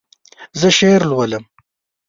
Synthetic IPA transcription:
zəʃeɾlwələm

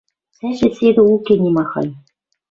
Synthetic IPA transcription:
sæʒɘ̆sed̪ɘ̆ukʲenʲimɑxɑ̰j

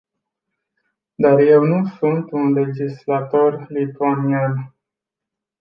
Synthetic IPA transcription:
d̪arje̞wnusunt̪unle̞d͡ʒislat̪o̞rlit̪uanian

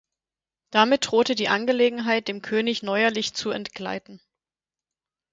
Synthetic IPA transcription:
d̥amɪt̚d̥ʁoːtədiːʔanɡəleːɡŋ̩ɦaɪt̚d̥eːmkʰøːnɪçnɔʏɐlɪçt͡suɛntɡ̥la̰ɪtn̩

